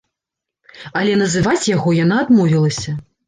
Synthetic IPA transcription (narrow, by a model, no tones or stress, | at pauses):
ɐlʲɛnɐzɨvat͡sʲjaɣɔjanaːd̪mɔvʲilˠɐsʲɐ